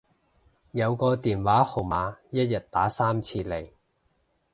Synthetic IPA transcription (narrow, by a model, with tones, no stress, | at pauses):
jɐ˨˧wkɔː˧t̪iː˨˩nwaː˨˥ho˨˩wmaː˨˧jɐ˥t̚jɐ˨t̚t̪aː˨˥saː˥mt͡sʰiː˧le˨˩j